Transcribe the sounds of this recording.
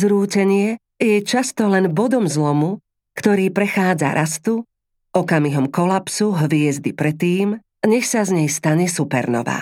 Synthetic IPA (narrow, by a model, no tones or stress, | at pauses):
zɾuːcɛɲɪɛ | jɛt͡ʃast̪ɔlɛnbɔd̪ɔmzlɔmu | kt̪ɔɾiːpɾɛxaːd͡za̰ɾʔast̪u | ɔkamiɦɔmkɔlapsuɦʋɪɛzd̪ipɾɛt̪ːiːm | ɲɛxsazɲɛjst̪aɲɛsupɛ̰ɾnɔ̰ʋa̰ː